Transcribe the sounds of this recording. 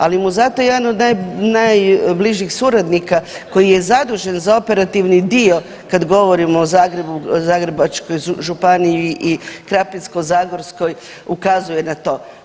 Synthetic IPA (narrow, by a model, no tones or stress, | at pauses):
alimuzat̪o̞jed̪ano̞d̪najnajbliʒixsuɾad̪nikako̞jije̞zad̪uʒenzao̞pe̞ɾat̪iʋnid̪io̞ | kad̪ɡo̞ʋo̞ɾimoːzaːɡɾebuzaːɡɾebat͡ʃko̞jʒupanijiʔikɾapisko̞zaːɡoɾsko̞j | ukazuje̞nat̪o̞ː